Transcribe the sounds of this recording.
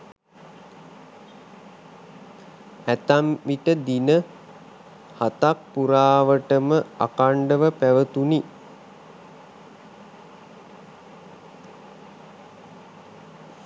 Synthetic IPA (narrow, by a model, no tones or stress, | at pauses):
æt̪amʋiʈəd̪inə | hat̪ak̚puɾaːʋəʈəməa̰kaɳɖəʋəpæʋət̪uni